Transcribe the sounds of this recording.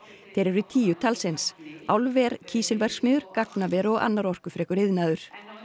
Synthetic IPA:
θejɾɛɾʏt̪ʰiːjʏt̪ʰalsɪnsawlvɛɾcʰiːsɪlvɛr̥smɪːðʏɾ̥kaknavɛːɾɔɣa̰nːaɾɔr̥kʏfɾɛːkʏɾɪðnaːðʏɾ̥

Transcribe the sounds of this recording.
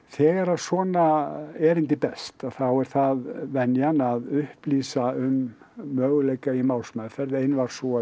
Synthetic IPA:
θɛːɣaɾasvɔːnaɛɾɪnt̪̬ɪpɛst̪aθawɛɾ̥θaðvɛnjanaðʏhpliːsaʏmː | œːɣʏlejkaimawlsmafɛɾðejnvaɾ̥sɔ

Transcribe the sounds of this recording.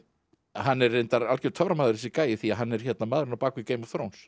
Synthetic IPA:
hanːɛɾejnt̪aɾalcɛɾt̪ʰœvɾamaːðʏɾɛs̬ɪkaːjɪθiaɦanːɛɾ̥çjɛt̪namaðɾʏnapaːkvɪceːjmɔvθɾowns

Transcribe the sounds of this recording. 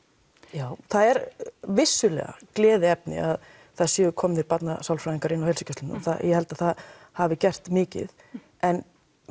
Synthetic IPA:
jaːwθaðɛɾvɪsːʏlɛ̰ɣa̰klɛːðɪɛp̚nɪ̰að | θaðsjɛːʏkʰɔːmðɪɾpat̪nasawlfɾaːiŋkaɾɪnːawhɛlsɪcʰœst̪ɪnθajɛhɛlt̪aðθað | havɪcɛr̥t̪mɪːcɪ̰ð | ʔɛn

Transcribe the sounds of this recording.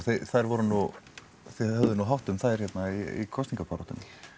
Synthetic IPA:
θeθajɾvɔɾʏnu | θɛhɛvðʏnuɦawht̪ʏmθajɾ̥çɛt̪naiḭkʰɔst̪iŋkapʰaɾɔt̪ʏn

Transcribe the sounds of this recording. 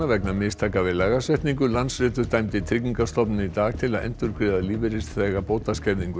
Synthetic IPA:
avɛknamɪːst̪ʰaːkavɪlaːɣasɛht̪niŋkʏlansɾɪːt̪ʏ̥t̪ajmt̪ɪt̪ʰɾɪkɲiŋkast̪ɔpnɪnit̪aːɣt̪ʰɪlaðɛ̰n̥t̪ʏɾkɾɪːðaliːvɪɾɪst̪θɛɣapoːwt̪ascɛɾðiŋkʏ

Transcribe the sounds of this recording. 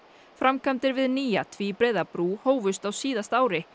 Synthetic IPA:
fɾamkʰamt̪ɪɾvɪðniːja̰t̪ʰviːpɾeːjðapɾuːhoːwvʏst̪awsiːðast̪aːwɾɪ

